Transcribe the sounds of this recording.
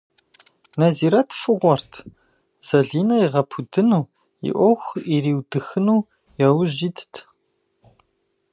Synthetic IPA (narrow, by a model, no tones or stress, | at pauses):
nɐziːɾɐtʰfɨʁʷɔrtʰ | z̥ɐɮiːnɐiʁɐpʰudɨnuː | ḭʔʷɔxʷiɾiːwdɨxɨnuː | jɐwʑiːdtʰ